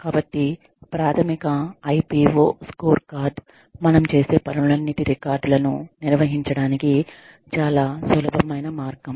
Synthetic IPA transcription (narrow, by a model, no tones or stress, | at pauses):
kaːbɐʈːi | pɾaːt̪ʰɐmikɐːjpiːʋoːskoːɾkaːɾɖ̪ | mɐnɐmt͡ʃe̞ːse̞ːpɐnuulɐnːit̪iɾikaːɾɖulɐnṵniɾʋɐɦiɲt͡ʃɐɽaːniki | t͡ʃaːlaːsɐlɐbʱɐmɐjnɐmaːɾɡɐm